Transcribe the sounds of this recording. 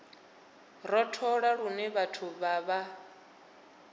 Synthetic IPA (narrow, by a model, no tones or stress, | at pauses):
ɾɔtʰɔɺaɺunɛβatʰuβaβa